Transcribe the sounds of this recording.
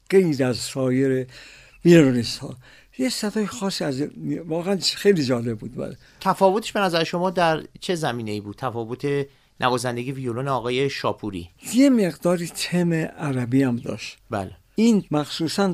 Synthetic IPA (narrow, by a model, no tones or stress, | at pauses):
ɡ̥ejɾæzsɒːjeɾe | viɾoɾist̪hɒ̰ː | jesæd̪ɒːjexɒːsiːæzmvɒːɣeænxejlid͡ʒɒːlebbuːd̪̚bæ̰le | t̪ʰæfɒːvot̪ʰe̥ʃbe̞næzæɾeʃo̞mɒːd̪æɾt͡ʃʰe̞zæmiːne̞iːbuːd̪̚t̪ʰæfɒːvo̞t̪ʰe̞ | nʔævɒːzænd̪e̞ɡijevijoloneɒːɣɒːje̞ʃɒːpʰuɾḭjemeɡd̪ɒːɾiːt̪ʰemeʔæɾæbiːæmd̪ɒ̰ːʃt̪bæ̰le | iːnmæxsuːsæn